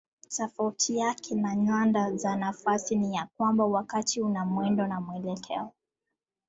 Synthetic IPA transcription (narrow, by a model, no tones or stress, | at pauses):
tafautʰijakʰɛnaɲandazanafasinijak̚wambawakatʰiunamwɛndɔnamwɛlɛkʰɛ̰ɔ